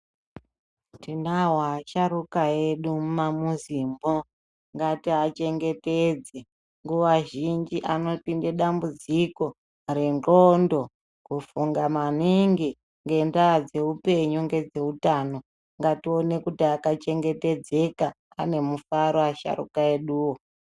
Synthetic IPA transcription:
tinaɦaːʃaɾukaeɗummamuzimbo̞ | ŋɡatiɦat͡ʃe̞ŋɡe̞ted͡ze | ŋɡuʋaʒind͡ʒiʔano̞tindeɗambud͡ziko̞ | renrondo̞ | kufuŋɡamaniŋɡi | ŋɡe̞ndad͡ze̞upe̞ɲuŋɡe̞d͡ze̞utaːno̞ | ŋɡatio̞ne̞kutiakat͡ʃe̞ŋɡe̞te̞d͡ze̞kaː | ne̞mufaɾoaʃa̰ɾṵkaeɗuːwo

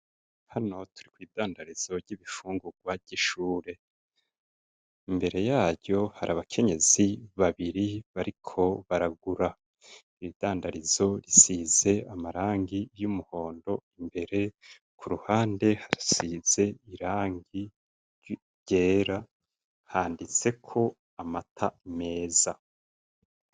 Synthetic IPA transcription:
hano̞tʰuɾikwiːdaːndaɾiz̥o̞ɾɟiβifuːŋɡuɡwaɟ̥iʃuːɾe̞ | imbe̞ɾe̞jaːɾɟo̞haɾʔaβakʰe̞ɲe̞z̥iβaβiɾiβaɾikʰo̞βaɾaɡuɾa | iβid̥aːndaɾizo̞ɾisiːze̞amaɾaːŋɡijumuho̞ːndo̞imbe̞ɾe̞ | kʰuɾuhaːnde̞haisiz̥e̞iɾaːŋɡi | ɟe̞ːɾa | haːndit͡se̞kʰo̞ | amatʰame̞ːz̥a

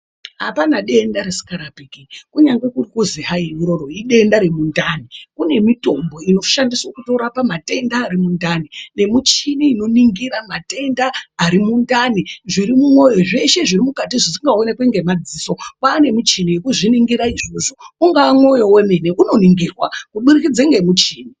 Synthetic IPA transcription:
ɦa̰panaɗe̞ndaɾesi̥kaɾapekikuɲaŋɡe̞kurikuziɦajemiɾo̞ɾoiɗe̞ndaɾemundanikune̞mito̞mbo̞ino̞ʃandiswokuto̞ɾapamate̞ndaːɾimundanine̞mut͡ʃiniːno̞niŋɡiramate̞ndaaɾimundaniʐiɾimumwo̞jo̞ʐe̞ʃe̞ʐirimukatiʐisiŋɡao̞ne̞kweŋɡe̞mad͡ziːso̞paːne̞mut͡ʃiniekuʐiniŋɡiɾaiʐo̞ʐouŋɡaamwo̞jo̞we̞meneʔuno̞niŋɡirwakuɓurikid͡zeŋɡe̞mut͡ʃiːni

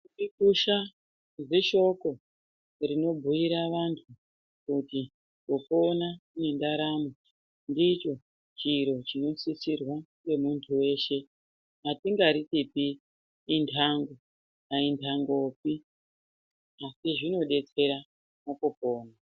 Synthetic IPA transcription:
ikuʃa | ze̞ʃo̞ko̞ | rino̞bʱujiɾaʋantʰu | kuti | kopo̞nane̞ndaɾamo | ndit͡ʃo̞ | t͡ʃiɾo̞t͡ʃino̞sisirwaŋe̞muntʰuwe̞ʃe̞ | atiŋɡaɾitipiː | ntʰaŋɡo | naintʰaŋɡo̞pi | asiʐino̞ɗe̞t͡se̞ɾa | mokopo̞ːna

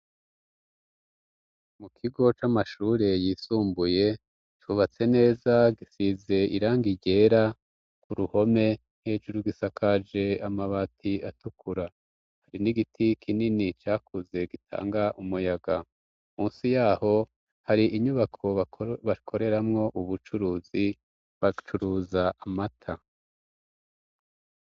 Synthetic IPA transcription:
mukʰiɡo̞t͡ʃamaʃuːɾe̞jiːsuːmbuje̞ | t͡ʃuβat͡se̞ne̞ːzaɡisize̞iɾaːŋɡiɟe̞ɾa | kuɾuho̞me̞ | n̥he̞ːd͡ʒuɾuɡisakʰad͡ʒe̞amaβatʰiatukʰuɾa | haɾiniɡitʰikʰininit͡ʃaːkʰuze̞ɡitʰa̰ːŋɡaʔumujaɡa | muːnsijaːho̞ | haɾiʔiɲuβakʰo̞βaβakʰo̞ɾe̞ɾamŋo̞ʔuβut͡ʃuɾuːzi | βat͡ʃuɾuzaʔamatʰa

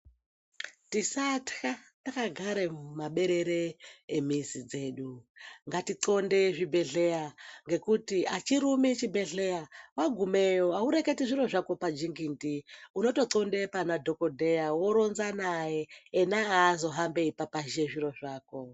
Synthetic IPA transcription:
tisatkatakaɡʱaɾemaɓe̞ɾeɾeːmisid͡zeːɗuŋɡatiǀondeʐibʱe̞ɮejaŋɡe̞kutiʔat͡ʃiɾumit͡ʃibʱeɮejawaɡʱumejoauɾeketiʐiɾo̞ʐako̞pad͡ʒiŋɡintiuno̞to̞ǀondepanadʱokodʱejawoɾonzanajeːnaazo̞ɦambeipapaʒeʐiɾo̞ʐaːko

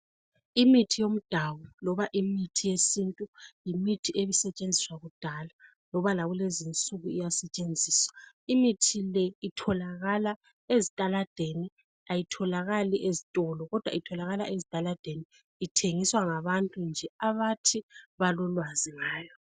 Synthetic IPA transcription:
imitʰijom̩d̥ʱawɔlɔβaʔimitʰijesintʼujimitʰieβisɛt͡ʃʼend͡zʱiswaɣud̥ʱala | lɔβalaɣulezint͡sʼuɣuijasɛt͡ʃʼend͡zʱiːswa | imitʰilɛitʰɔlaɣala | ezitʼalad̥ʱeni | ajitʰɔlaɣaliʔezitʼɔlɔɣɔd̥ʱwa̰itʰɔlaɣala̰ʔezitʼalad̥ʱeniː | tʰeŋiswaŋaβantʼund͡ʒʱɛaβatʰiβalɔlwaziŋaːjɔ

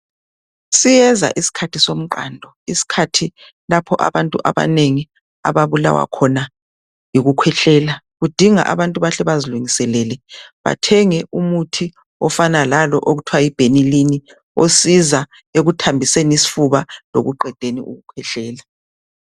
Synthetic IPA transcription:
sijɛza̰ʔisi̥kʰatʰisom̩ǃa̰ndʱɔ | isi̥kʰatʰi | lapʰɔʔa̰βantʼṵʔa̰βa̰neŋi | a̰βaβula̰wa̰kʰɔna | jiɣukʰwɛɬɛːla | ɣud̥ʱiŋa̰ʔa̰βantʼuβaɬɛβaziluŋisɛlɛlɛβa̰tʰɛŋɛʔumutʰi | ɔfanalalɔʔoɣutʰwajib̥ʱenilini | osiza | eɣutʰambʱisɛnisi̥fuβalo̰ɣuǃɛd̥ʱenḭʔṵɣukʰwɛɬɛːla

